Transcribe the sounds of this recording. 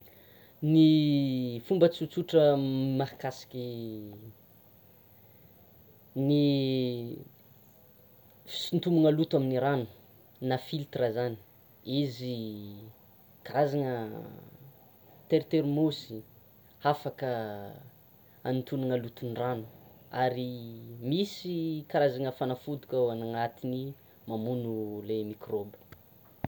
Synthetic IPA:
ni | fumbət͡sut͡suʈ͡ʂəmahakasi̥kʲi | ni | fi̥sint̪umuŋəlut̪waminiɾanu̥ | nafilt̪rəzani̥ | izi | kaɾazaŋə | t̪eɾt̪eɾimosi̥ | hafakə | a̰nit̪unaŋəlut̪unranu̥aɾimisikaɾazaŋəfanafud̪u̥kʲaanaŋat̪ini | mamunulemikrobə̥

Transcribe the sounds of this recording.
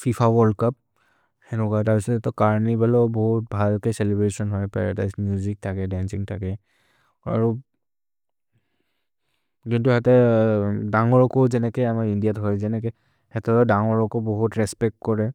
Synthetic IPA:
fʰipʰawɔɹdkap̚ | hɛnukataɹpisɔtɛtɔkaɹnibalɔbɔɦut̚bʱalkejsɛlɛbɹesɔnɦɔjpa̰ɹa̰da̰jsmjuzik̚tʰakɛdɛnsiŋtʰakɛ | a̰ɹu | kintuhɛtɛ | daŋɔɹɔkɔzɛnɛkejamaɹindijatɦɔjzɛnɛkɛ | hɛtɔdaŋɔɹɔkɔbɔɦutɹɛspɛk̚tkɔɹɛ

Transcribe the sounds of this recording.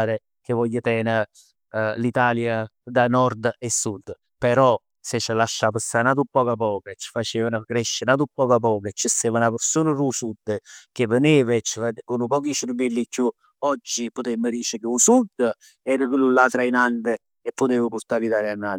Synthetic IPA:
ɾe | k̟evɔjːət̪ɛːnə | lit̪aːljad̪anɔɾd̪esːud̪ː | peɾɔ | set͡ʃːəlaʃːapəsanaːt̪upːɔːkap̬ɔːket͡ʃːə̥fat͡ʃeːvənəkɾeʃːənaːt̪upːɔːkap̬ɔːket͡ʃːəst̪eːvanapəɾsoːnərusud̪ːək̟evəniːvet͡ʃːəfakunupɔːk̬iʃəɾbilːikʰːju | ɔd͡ʒːipʊt̪emːəd̪iːt͡ʃəkeusud̪ | ɛːɾəkilːulːat̪ɾainand̪e | epːot̪eːvəpuɾt̪aːɾlit̪aːljanːa

